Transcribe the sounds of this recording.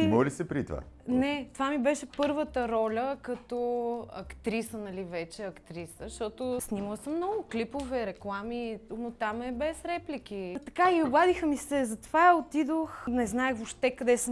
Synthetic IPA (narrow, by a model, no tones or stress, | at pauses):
mɔlisɛpɾit̪va̰nɛt̪ovamibɛʃɛpɤɾvət̪əɾɔlʲəkɐt̪ɔɐkt̪ɾisənɐlivɛt͡ʃɛɐkt̪ɾisəʃt̪ɔt̪osnʲiməlˠsəmːnɔɡʊklipovɛɾɛklˠaminot̪amɛbɛsɾɛplik̟it̪ɐkaiobˠad̪ixəmisɛzɐt̪ovaot̪id̪oxnɛznaɛvopʃt̪ɛkɐd̪ɛsəm